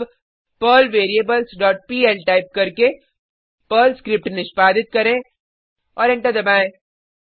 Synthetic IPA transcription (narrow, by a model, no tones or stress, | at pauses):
pəːlʋeːɾijebəlsɖɔːʈ̚piːɛlʈaːɪp̚kɐɾke | pəːlskɾɪp̚ʈnɪʃpaːd̪ɪt̪̚kɐɾẽ | ɔːɾɪ̃ɳʈəɾd̪ɐbaːẽː